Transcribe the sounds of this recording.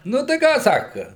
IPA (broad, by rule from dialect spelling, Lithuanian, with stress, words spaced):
nʊ tɐɪ ˈkɑː ˈsɑːkɐ